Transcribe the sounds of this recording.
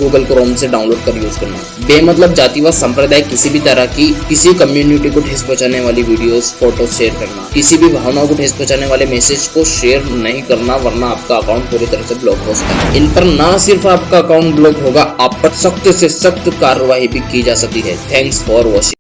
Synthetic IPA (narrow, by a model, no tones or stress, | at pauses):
ɡuːɡəlkɾoːmseɖaːʊ̃nloːɖkɐɾjuːd͡ʒkɐɾna̰ | beːmɐt̪ləb̚d͡ʒaːt̪iʋasɐ̃mpɾəd̪aːikɪsibʱit̪ɐɾakikɪsikɐmjuːnɪʈikoʈʰeːspɔːt͡ʃaːneʋaːliʋiːɖijoːzfoːʈoʃeːəɾkɐɾna̰ːkɪsibʱibʱaːʋnaːõkoʈʰeːspɔ̃ːt͡ʃaːneʋaːlemɛːseːd͡ʒkoʃeːəɾnɐɦĩkɐɾnaʋɐɾnaːp̚kaɐkaːʊ̃ɳʈ̚puːɾit̪ɐɾəseblɔːɡɦoːsɐ̥ka̰ɦɪnpɐɾnasɪɾfaːpkaɐkaːʊ̃ɳʈblɔːɡɦoːɡaaːppɐɾsɐkt̪sesɐkt̪kaːɾəʋaːɦibʱikid͡ʒaːsɐk̚t̪iɦɛ̰ːt̪ʰɛ̃ːŋksfɔːɾʋɔːʃɪ̃